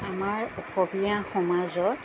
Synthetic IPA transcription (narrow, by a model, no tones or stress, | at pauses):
amaɹɔkɔbijaxɔmazɔ